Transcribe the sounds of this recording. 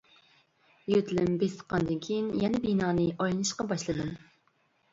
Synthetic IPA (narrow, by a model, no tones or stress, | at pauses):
jøt̪ʰlɪmbest̪ʰə̥qʰːɑnd̪ɨnkʲʰijinjɛnɛbinɑːnɨʔɑjlˠɨnɨʃqɑbɑʃlˠɨd̪ɨm